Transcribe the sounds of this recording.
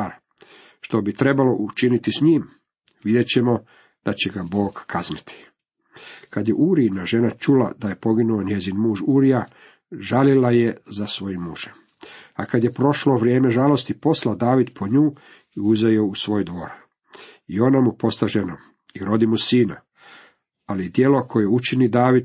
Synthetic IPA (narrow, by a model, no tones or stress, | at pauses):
aɾ | ʃt̪o̞bit̪ɾe̞balo̞ʔut͡ʃinit̪isɲiːm | ʋid̪je̞t͡ɕe̞mo̞ | d̪̥at͡ɕeɡabo̞ːɡkʰaznit̪ʰi̥ | kad̪jeʔuːɾinaʒe̞nat͡ʃula̰d̪aje̞po̞ɡinuoɲje̞zinmuːʒuːɾija | ʒalilaje̞zasʋo̞jimuːʒ̥em | akad̪je̞pɾo̞ʃloʋɾjeːme̞ʒalo̞st̪ipo̞slad̪aːʋid̪pʰo̞ɲuː | iuzajousʋo̞ːjd̪ʋo̞ɾ | io̞namupo̞st̪aʒenom | iɾo̞d̪imusiːna | alid̪je̞lo̞kʰo̞jeut͡ʃinid̪aːʋid̪